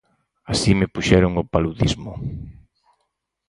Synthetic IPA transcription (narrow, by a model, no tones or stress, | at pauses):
asimɪpuʃɛɾʊŋʊpaluðizmʊ